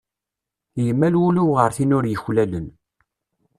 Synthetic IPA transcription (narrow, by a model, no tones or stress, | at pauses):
jəmːælwuluwʁəɾθinʊɾjəçlælən